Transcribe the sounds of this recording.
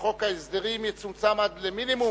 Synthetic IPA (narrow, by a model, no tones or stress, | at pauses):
okaizd̪eʁimjet͡sumt͡samad̪leminimu